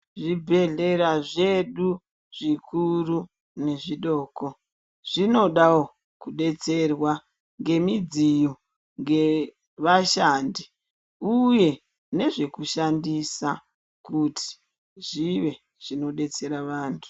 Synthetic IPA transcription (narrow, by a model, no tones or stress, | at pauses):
ʐibʱe̞ɮe̞ɾaʐe̞ɗu | ʐ̥ikʰuru | ne̞ʐiɗo̞ːko̞ | ʐ̥ino̞ɗawo | kuɗe̞t͡se̞rwa | ŋɡe̞mid͡zijo | ŋɡe̞ | ʋaʃaːndi | uje̞ | ne̞ʐe̞kuʃandisa | kuti̥ | ʐiʋe̞ | ʐ̥ino̞ɗe̞t͡se̞ɾaʋaːntʰu̥